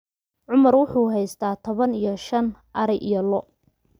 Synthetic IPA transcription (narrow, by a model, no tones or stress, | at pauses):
ʕʊmɐrwʊħuːɦɛjst̪ʰaːt̪ʰɔβɐnijɔʃɐnʔɐɾɛʔijɔlɔ